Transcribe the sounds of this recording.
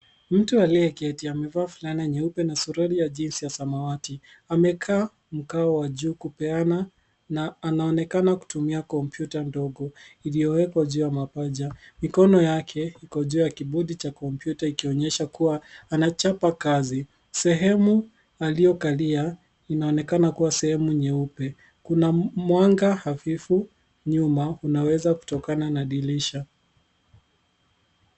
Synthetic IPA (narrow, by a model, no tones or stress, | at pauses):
m̩tualijɛkɛtiamɛvaːfulaniaɲɛupɛnasuɾaɾijaʄinsijasamawati | amɛkʰaː | m̩kaɔwaʄuːkupɛana | naːnaɔnɛkanaku̥tumiakɔmpjutandɔɡɔilijɔwɛkwaʄuːjamapaʄamikɔnɔjakʰɛikɔʄuːjakiɓuɗit͡ʃakɔmpjutaikiɔɲɛʃakuwaːnat͡ʃapakazi | sɛɦɛmu | alijɔkalia | inaɔnɛkanakuwasɛhɛmuɲɛupɛ | kunamwaŋɡahafifu | ɲumaunawɛzaku̥tɔkananaɗiliʃa